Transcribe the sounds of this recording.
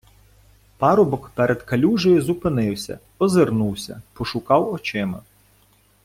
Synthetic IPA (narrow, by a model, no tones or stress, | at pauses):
pɑɾɔbɔkpɛɾʔed̪kɐlʲuʒɔjʊzʊpɪnɪwsʲɐ̰ | ɔzernuwsʲɐ̰pɔʃʊkɑwɔt͡ʃɪmɐ̰